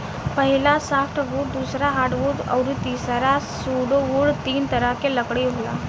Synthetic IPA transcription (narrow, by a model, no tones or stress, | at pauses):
pəɦilasafʈʰʋuːɽd̪uːsɾaɦaʈʋuɖə̰wɾut̪iːsɾasuɽoʋuɽt̪iːnt̪əɾakeləkɽiɦola̰